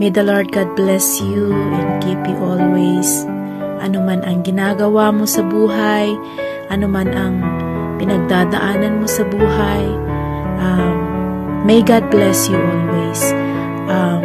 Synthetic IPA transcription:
mejd̪ɐlaɹd̪̚ɡad̪̚blɛsjuʔɛnkipjuʔolwejs | ʔɐnomanɐŋɡɪnaːɡɐwamo̞sɐbuːɦaj | ʔɐnomanʔɐŋ | pɪnɐɡ̚d̪ad̪ɐ̰ʔaːnɐnmo̞sɐbuːɦaj | ʔamː | ejɡad̪̚blɛsjuʔolwejs | ʔa

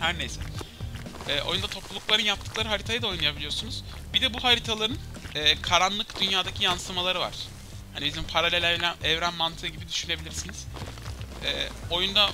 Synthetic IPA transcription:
hæɾnejsɛ̰ | ɛːʔo̞̰jund̪at̪ʰo̞plˠulˠuklˠaɾɯnjap̚t̪ʰːɯ̥klˠaɾɯɦaɾit̪ʰajɯd̪ao̞jnˠɯjabilʲijo̞ɾsunuz̥ | bid̪ɛbuhaɾit̪ʰalˠaɾɯn | ɛːkʰaɾanlˠɯkd̪ynjaːd̪acʰijanslˠɯmalˠaɾɯva̰ɾ̥ | hanibizimpʰaɾalʲelʲɛlʲænɛvɾænmant̪ʰɯɯɟibid̪yʃyne̞bilʲiɾsiniz̥ | ɛ̰ːo̞jund̪a

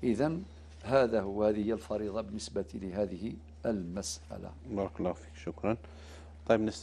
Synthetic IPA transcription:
ʔəðæn | hæd̪æhːhæðəhəjːælfɑɾid̪ˤɑbənːəsbat̪iləɦæðəhi | əlmæsʔæ̰la̰bɑɾˤɑklːɑhfi̥kʃʊkɾˤɑn | t̪ˤɑjbnəs

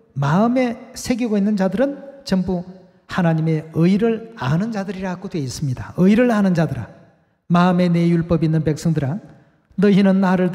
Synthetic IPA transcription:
maɯme̞sʰe̞ɡiɡoinːɯnd͡ʑadɯɾɯnt͡ɕʌmbu | hanaɲime̞ɯiɾɯɭanɯnd͡ʑadɯɾiɾaɡodwe̞is͈ɯmɲida̰ɯiɾɯɭanɯnd͡ʑadɯɾa̰ | maɯme̞ne̞juɭp͈ʌbinːɯnpe̞k̚s͈ʌŋdɯɾanː | ʌinɯnːaɾɯɭ

